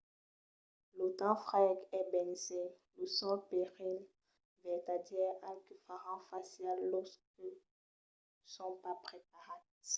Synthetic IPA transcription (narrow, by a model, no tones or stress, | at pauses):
lot̪ɑ̃fʁɛkɛbɛnsɛ̃ | losɔ̃peʁil | vɛt̪adjɛakəfaʁɑ̃fasjalːɔskə | sɔ̃papχep̚aʁat